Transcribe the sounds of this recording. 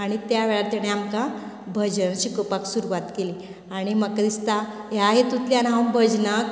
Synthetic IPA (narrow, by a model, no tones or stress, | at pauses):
aɽ̃it̪jaʋeɭat̪jaɽ̃eamkã | bʱəd͡ʑənɕikəpaksuɾuʋat̪keli | aɽ̃iməkɾist̪a | jaɦet̪ut̪ljanawmbʱəd͡znək